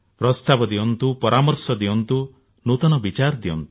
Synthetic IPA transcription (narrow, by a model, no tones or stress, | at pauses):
pɾɔst̪abɔd̪iɔnt̪upɔɾʔamɔɾsɔd̪iɔnt̪u | nut̪ɔnɔbit͡ʃaɾd̪iɔ̰nt̪u̥